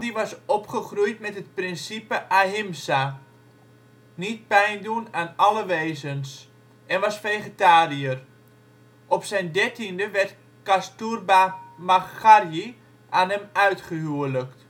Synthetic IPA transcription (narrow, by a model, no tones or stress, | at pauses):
diʋɑsɔpχəχrujtmɛtət̚prɪnsipəʔaɦɪmsa | nit̚pɛjndunaːnaləʋeːzəns | ʔɛnʋɑsfeχətaːriər | ʔɔpsɛjndɛrtindəʋɛrt | kasturbamaxarji | ʔanɛmœɥtχəɦuələkt